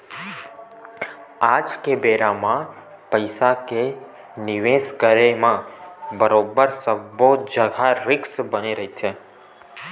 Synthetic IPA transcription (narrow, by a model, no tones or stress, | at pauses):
ad͡ʒkebeɾamã | pəjsake | niʋesɡəɾemãbəɾobəɾsəbːod͡ʒəɡʱaɾɪksbəniɾəɦit͡ʃʰe